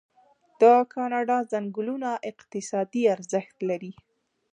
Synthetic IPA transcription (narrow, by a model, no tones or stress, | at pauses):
d̪̥əkʰɑnɑɖɑzaŋɡʊlunaʔɪqt̪ɪsɑd̪iaɾzəxt̪laɾi